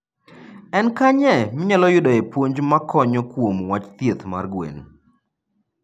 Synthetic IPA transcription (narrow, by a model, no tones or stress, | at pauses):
ɛnkaɲɛmɪɲalɔjʊdɔepwoɲd͡ʒmakʰɔɲɔkwomwat͡ʃt̪jet̪ma̰rɡwḛn